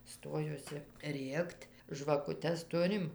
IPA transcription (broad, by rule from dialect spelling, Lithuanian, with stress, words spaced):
ˈstoːjuɔsʲɪ ˈrʲeːktʲ ʒʋɐkʊˈtʲɛs ˈtʊrʲɪm